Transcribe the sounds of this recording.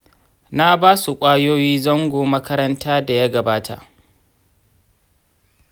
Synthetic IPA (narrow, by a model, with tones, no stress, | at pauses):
na˦baː˦su˨kʷʼaː˦joː˦jiː˦zɔ˦ŋɡʷoː˨mɐ˦kɐ˦ɾɐ˦ntʰaː˦da˨ja˦ɡɐ˨baː˦tʰa̰˨ʔ